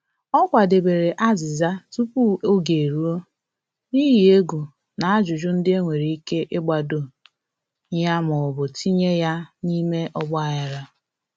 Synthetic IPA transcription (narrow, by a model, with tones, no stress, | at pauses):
ɔ˦kʷa˨de˨be˨ɾe˨ʔa˦zɪ˨za˦tu˦pu˦o˦ɡe˨ɾu˦o˦ | ni˦ɦi˨e˦ɡu˨ | na˨a˦d͡ʒʊ˨d͡ʒʊ˦n̩˦dɪ˦e˦ŋʷe˨ɾi˨i˦ke˦ʔe˦ɡ͡ba˨do˨ | ɲ˦a˦mʊ˨bʊ˨tʰi˦ɲe˦ja˦ni˦me˦ʔɔ˦ɡ͡ba˦ja˨ɾa˦